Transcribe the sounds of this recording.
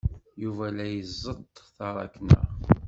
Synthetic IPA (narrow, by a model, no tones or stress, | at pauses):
juvælæjəzˤːəd̪ˤθɑɾˤɑ̰knə̰